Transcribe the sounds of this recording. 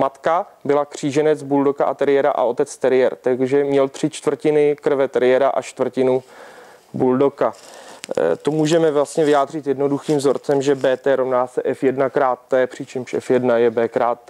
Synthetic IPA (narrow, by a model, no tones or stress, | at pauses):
mat̪kabɪlakr̝̥iːʒɛnɛt͡sbuldokaʔat̪ɛɾɪjɛɾa̰ʔa̰o̞t̪ɛt͡st̪ɛɾɪjɛɾt̪aɡʒɛmɲɛlt̪r̥ɪt͡ʃt̪vrcɪnɪkr̩vɛt̪ɛɾɪjɛɾaʔa̰t͡ʃt̪vr̩cɪnu | buldoka | t̪omuːʒɛmɛvlast̪ɲɛvɪjaːd̪r̝ɪt̪jɛdno̞duxiːmvzo̞ɾt͡sɛmʒɛbɛːt̪ɛːɾomnaːsɛʔɛfjɛdnakɾaːt̪̚ːɛːpr̥ɪt͡ʃɛmʃɛ̰fjɛdnajɛbɛːkɾaːt̪ː